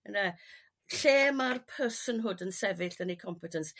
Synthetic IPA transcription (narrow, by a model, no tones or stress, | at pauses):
ənə | ɬeːmarpʰəsənɦʊdənsɛvɪɬd̥ənikʰɔmpʰɛtʰəns